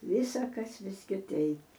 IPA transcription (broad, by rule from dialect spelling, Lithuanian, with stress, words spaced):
ˈʋʲiːsɐkɐs ʋʲɪs kʲɪˈtʲɛɪp